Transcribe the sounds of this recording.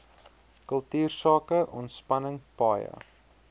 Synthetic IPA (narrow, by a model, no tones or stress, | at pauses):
kəlˠtyːrsɑːkəʔɔntspɐnəŋpɑːjə̰